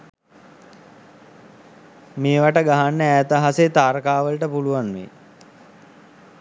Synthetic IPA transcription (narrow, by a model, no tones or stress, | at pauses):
meːʋaʈəɡaɦanːəæːt̪əɦaset̪aːɾkaːʋəlʈəpuluʋanʋḛ